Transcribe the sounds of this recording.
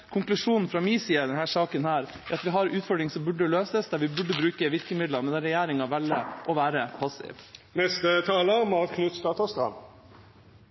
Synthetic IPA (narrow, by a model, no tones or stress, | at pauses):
kʰʊŋklʉʂuːnn̩fɾɑmiːsiːəd̪ɛnhæːʂɑːkənhæːɾ | æɑt̪ʋɪɦɑɾʉːt̪fɔɖɾɪŋsɔmbʉɖəløːsəsd̪æɾʋɪbʉɖːəbɾʉːkəʋɪɾkəmɪd̪lɑmɛnd̪ɛɾɛjæːɾɪŋɑʋælːəʔɔʋæːɾəpʰɑsɪ̰ːʋnɛst̪ət̪ʰɑːləmɑt̪kʰnʉt̪st̪ɑt̪ɑst̪ɾɑ̰m